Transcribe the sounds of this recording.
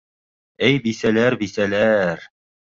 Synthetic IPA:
ɘjbisælæɾbisælæɾ

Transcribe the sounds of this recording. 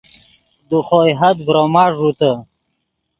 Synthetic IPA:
d̪uχoːjɦɐt̪bɾomɑːʐut̪ə

